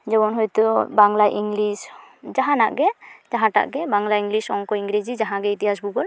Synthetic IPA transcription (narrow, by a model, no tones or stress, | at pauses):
d͡ʒɔbɔnɦɔjt̪ubaŋlajʔiŋɡlisd͡ʒaɦãna̰ʔɡɛd͡ʒaɦãʈa̰ʔɡɛbaŋlajiŋɡlisɔŋkɔiŋɡɾed͡ʒid͡ʒaɦãɡɛit̪iɦasbuɡɔl